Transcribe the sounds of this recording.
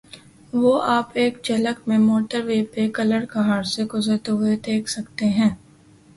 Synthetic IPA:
ʋoːʔaːpeːkd͡ʒɐləkmẽmoːʈəɾʋeːpekɐləɽkɐɦaːɽseɡʊzəɾt̪eɦʊed̪eːkʰsɐkt̪eɦɛ̃ː

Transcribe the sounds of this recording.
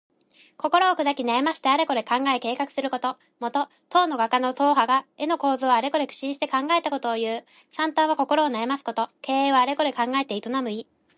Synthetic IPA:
ko̞ko̞ɾo̞ːkɯ̟d̪akʲinaemaɕi̥t̪e̞aɾe̞ko̞ɾe̞kãŋɡae̞ke̞ːkakɯ̟̥sɨɾɯ̟ko̞t̪o̞ | mo̞t̪o̞ | t̪o̞ːno̞ɡakano̞t̪o̞ːɦaɡae̞no̞ko̞ːzɨaɾe̞ko̞ɾe̞kɯ̥ɕiɲɕi̥t̪e̞kãŋɡae̞t̪ako̞t̪o̞ːjɯ̟ː | sãnt̪ãɰ̃β̞ako̞ko̞ɾo̞ːnaemasɨ̥ko̞t̪o̞ke̞ːeːβaːɾe̞ko̞ɾe̞kãŋɡae̞t̪eit̪o̞namɯ̟i

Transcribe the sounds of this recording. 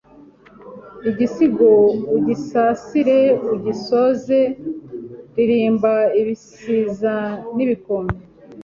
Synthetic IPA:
iɟisiɡouɟisaːsiɾe̞uɟiso̞ze | ɾiɾiːmbaiβisiːzaniβikome

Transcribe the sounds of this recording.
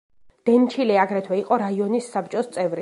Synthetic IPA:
d̪̥ɛnt͡ʃʰilɛaɡɾɛt̪ʰwɛiqʼɔɾaiɔnisːap̚t͡ʃʼɔst̪sʼɛvɾi

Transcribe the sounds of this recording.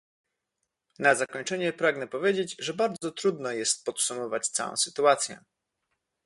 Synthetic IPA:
nazakɔɲt͡ʂɛɲɛpɾaɡnɛpɔvʲjed͡ʑed͡ʑʐɛbaɾd̪zɔt̪ɾud̪nɔjɛst̪̚pɔt̪sumɔvat͡ɕt̪sa̰wɔ̰̃w̃sɘt̪uat̪sʲjɛ̰

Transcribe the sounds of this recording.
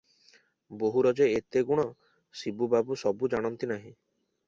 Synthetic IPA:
boɦuɾɔd͡ʒeet̪eɡuɽ̃ɔ | sibubabusɔbud͡ʒaɽ̃ɔnt̪inaɦĩ

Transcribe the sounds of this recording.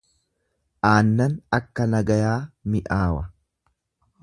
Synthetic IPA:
ʔaːnːɐnɐkːɐnɐɡɐjaːmɪʔaːwɐ

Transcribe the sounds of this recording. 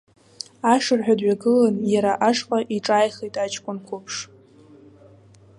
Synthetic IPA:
aʂɨrħᶣadɥaɡɨlanjaɾaʔaʂqʼaʔiʈ͡ʂʼaːjχejtʼat͡ʃkʷʼʊnkʷʰʊpʰʂ

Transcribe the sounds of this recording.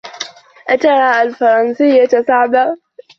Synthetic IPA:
ʔat̪ɑɾˤɑːʔalfɑɾˤɑnsɪjːasaʕbaː

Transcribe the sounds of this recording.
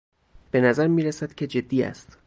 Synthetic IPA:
b̥e̞næzæɾmiːɾæsæd̪̥cʰe̞d͡ʒe̞d̪ːiːæ̰st̪

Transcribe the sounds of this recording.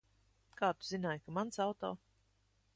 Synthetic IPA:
kaːt̪uzinaːjkamansawt̪ɔː

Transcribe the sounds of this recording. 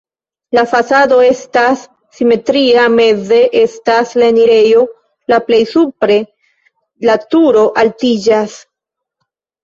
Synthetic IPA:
lafasado̞e̞stasː | ime̞tɾiame̞ze̞ʔe̞stasleniɾe̞jo̞ | laple̞jsupɾe̞ | latuɾo̞ʔaltid͡ʒas

